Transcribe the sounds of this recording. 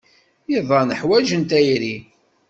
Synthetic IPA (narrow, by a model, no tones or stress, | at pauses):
jiðˤɑnəħwæʒənt̪æjɾi